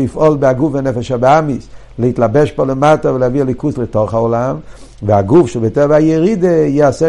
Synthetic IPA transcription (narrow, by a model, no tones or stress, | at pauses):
ifɔlbɪaɡufanɛfɛʃabamis | lɛitlabɛʃpolematavɪlɛavialikuslətoχaolam | vɪaɡufʃɛbɛtɛvajɛʁidejɛasɛ